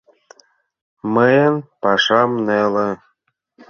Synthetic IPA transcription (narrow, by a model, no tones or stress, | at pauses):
məjənpɑʃɑmnelə̆